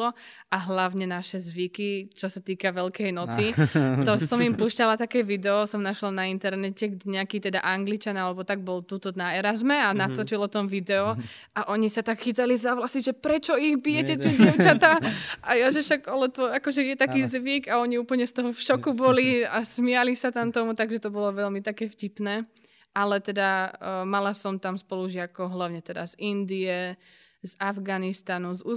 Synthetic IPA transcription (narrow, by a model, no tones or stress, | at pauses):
ɔaɦlaʊɲɛnaʃɛzʋikit͡ʃɔsat̪iːkaʋɛlkɛjnɔt͡sit̪ɔsɔmimpuːʃcalat̪akɛːʋid̪ɛɔsɔmnaʃlanaint̪ɛɾnɛcɛɡɟɛɲɛakiːt̪ɛd̪a̰ʔaŋɡlit͡ʃanalɛbɔt̪aɡ̚bɔlt̪uːt̪ɔnaɛɾazmɛanat̪ɔt͡ʃilɔt̪ɔmʋid̪ɛɔ | aʔɔɲisat̪akxitalizaʋlasiʒɛpɾɛt͡ʃɔiɣbijɛcɛt̪iɟɛʊt͡ʃat̪aʔajaʒɛfʃaɡalɛt̪ɔakɔʒɛjɛt̪akiːzʋiɡaɔɲiuːpl̩ɲɛst̪ɔɦɔfʃɔkubɔliasmialisat̪amt̪ɔmut̪aɡʒɛt̪ɔbɔlɔʋɛʎmit̪akɛːfcipnɛː | ʔalɛt̪ɛd̪amalasɔmt̪amspɔluʒɪakɔʊɦlaʊɲɛt̪ɛd̪a̰zind̪iɛ | zavɡanist̪anuzu